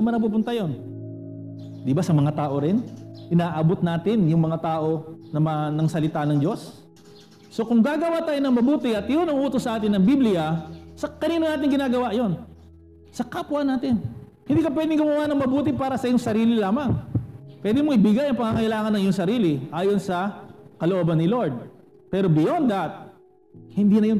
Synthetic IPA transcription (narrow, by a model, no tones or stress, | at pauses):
ɐmɐnɐpup̬ʊnt̪ɐjo̞n | d̪ɪbasɐmɐŋat̪aːʔo̞ɾɪnʔɪnaːʔabot̪naːt̪ɪnjʊŋmɐŋat̪aːʔo̞nɐmɐnɐŋsɐlɪt̪anɐŋd͡ʒo̞sː | o̞kʊŋɡaːɡɐwat̪aːjonɐŋmɐbuːt̪ɪʔɐt̪jonɐŋʔuːt̪osːɐʔaːt̪ɪnːɐŋbiblɪjɐsɐkɐniːnoŋaːt̪ɪŋɡɪnaːɡɐwaʔjo̞n | sɐkapʊɐnaːt̪ɪn | hɪnd̪iːkɐp̬wɛd̪ɪŋɡʊmɐwanɐŋmɐbuːt̪ɪpaːɾɐsɐjʊŋsɐɾiːlɪlaːmɐŋpwɛd̪ɪmoʔɪbɪɡajʔɐŋpɐŋaŋɐʔɪlaːŋɐnːɐŋjʊŋsɐɾiːlɪʔaːjo̞nsɐkɐloʔoːbɐnːɪlo̞ɹd̪̚ | pɛːɾo̞bɪjond̪ɐt̪̚ | hɪnd̪inɐjon